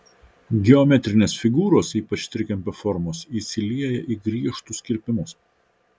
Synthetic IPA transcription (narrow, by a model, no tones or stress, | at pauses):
ɡʲɛɔmʲɛt̪ʲɾʲɪnʲeːsfʲɪɡuːɾoːsiːpɐt͡ʃt̪ʲɾʲɪkʲɛmʲpʲɛfɔɾmoːsiːsʲɪlʲiɛjɛʔiːɡɾʲiɛʃt̪ʊsʲkʲɪɾʲpʲɪmʊs